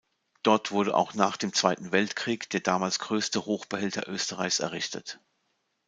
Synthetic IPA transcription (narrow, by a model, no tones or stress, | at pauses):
d̥ɔɐtv̥ʊɐdəʔa̰ʊxnaːχd̥eːmt͡sv̥aɪtn̩vɛltkʁ̥iːkd̥eːɐdaːmaːlsɡ̥ʁøːstəhoːxb̥əhɛltʰɐ̰ʔøːstəʁaɪçsɛ̰ɐʁɪçtʰə̰t